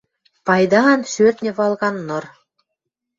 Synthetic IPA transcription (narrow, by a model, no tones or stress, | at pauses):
pɑjd̪ɑɑnʃørt̪nʲĕβɑlˠɣɑnːŏr